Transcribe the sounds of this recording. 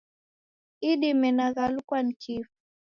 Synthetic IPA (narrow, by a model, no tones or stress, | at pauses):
iɗimɛnaɣalukwanikifu̥